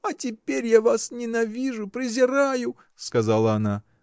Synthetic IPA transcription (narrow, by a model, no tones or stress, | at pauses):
ɐtʲɪpʲeɾʲjavasnʲɪnɐvʲiʐʊpɾʲɪzʲɪɾajʊ | skɐzalˠəɐna